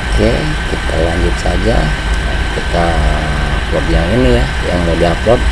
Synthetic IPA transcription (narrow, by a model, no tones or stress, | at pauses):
ke | kit̪ʰa̰laɲd͡ʒut̪̚sa̰d͡ʒa̰ | kit̪a | klɔblaŋinija | ja̰ŋmudaklɔp̚